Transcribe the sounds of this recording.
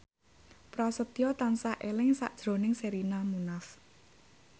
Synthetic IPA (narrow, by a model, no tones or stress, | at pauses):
pɾɔsət̪ijɔt̪ansaʔelɪŋsa̰ʔd̥ʒ̥ɾo̤nɪŋseɾinamunaf